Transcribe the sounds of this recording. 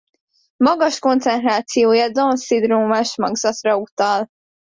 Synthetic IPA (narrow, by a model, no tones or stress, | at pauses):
mɒɡɒʃko̞nt̪sɛnt̪raːt̪sijoːjɒd̪onsid̪roːmaʃmɒɡz̥ɒt̪rɒut̪ɒl